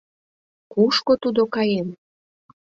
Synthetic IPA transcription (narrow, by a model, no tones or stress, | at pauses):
kuʃkot̪ud̪okɑjem